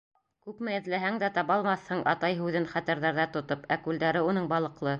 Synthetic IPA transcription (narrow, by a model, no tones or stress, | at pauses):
kʉpmɘɘ̆ðlæɦæŋd̪æt̪ɑβɑlˠmɑθhɤɴʔɑ̰t̪ɑjɦʉðɘnχæt̪æɾðæɾðæt̪ŏt̪opækʉld̪æɾɘunɤɴbɑlˠɤ̆qlˠɤ